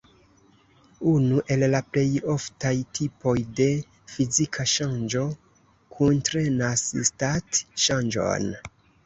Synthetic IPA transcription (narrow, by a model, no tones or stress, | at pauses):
unuʔe̞lːaple̞jo̞ftajtʰipo̞jde̞ | fizikʰaʃand͡ʒo̞ | kʰuntɾenasstatʃand͡ʒo̞̰n